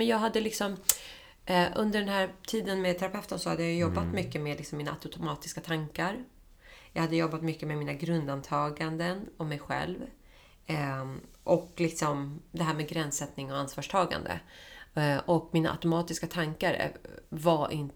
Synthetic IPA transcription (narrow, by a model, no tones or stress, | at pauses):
mɛnjɑːɡɦad̪ːəlɪksɔm | ʔɵnd̪əɖɛnɦæːɾt̪ʰiːd̪ənmeɛd̪̚t̪ʰɛɾapʰɛft̪ənsɔhad̪ːəjajɵjɔbːat̪mʏkːəmeːd̪lɪksɔmiːnaat̪ʊt̪ʰʊmɑːt̪ɪ̥skat̪ʰaŋkaɾ | jɑːɡhad̪ːəjɔbːat̪mʏkːəmɛmiːnaɡɾɵnd̪ant̪ʰɑːɡand̪ənɔmɛjɧɛ̰lv | ʔɔklɪksɔmd̪ɛɦæːɾmɛːɡɾɛnsɛt̪nɪŋɔansvɑːʂʈʰɑːɡa̰nd̪ə̰ | ʔɔkmiːnaʔa̰t̪ʊmɑːt̪ɪskat̪ʰaŋkaɾ̰vaʔɪ̰nt̪